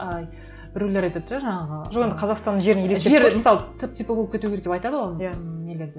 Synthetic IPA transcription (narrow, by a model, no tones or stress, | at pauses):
ɑj | bɪɾuleɾɑjt̪et̪ʒaʒɑɴɑʁəʒoqend̪ɪqʰɑzɑqst̪ɑnəŋʒe̞ɾɪneleeeɾɾmɪsɑlˠət̪ʰɪp̚t̪ʰipoɡlˠkʰʲet̪uɡʲeɾek̚d̪e̞pɑjt̪ɑd̪əwojanele̞ɾd̪e